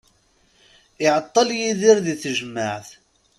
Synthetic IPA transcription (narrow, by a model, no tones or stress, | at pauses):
ɪʕət̪ˤːɑljiðɪɾðiθʒəmːaʕθ